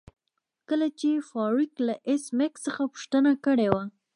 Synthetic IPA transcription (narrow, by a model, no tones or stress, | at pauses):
kəlat͡ʃefɑɾiklaʔɪsmeksəxapʊ̥ʃt̪ənakəɽewa